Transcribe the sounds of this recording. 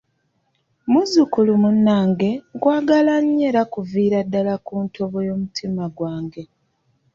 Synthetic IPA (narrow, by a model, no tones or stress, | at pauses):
muzukulumunːaːŋɡe̞ŋɡwaːɡalaɲːe̞ːɾakuviːɾadːalakuːntʰo̞βojo̞ːmutʰimaɡwaːŋɡe̞